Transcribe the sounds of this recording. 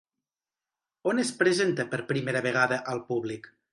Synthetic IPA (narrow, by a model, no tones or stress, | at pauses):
onespɾezent̪əpəɾpɾimeɾəβeɣ̞aðəʔəlˠpuβlik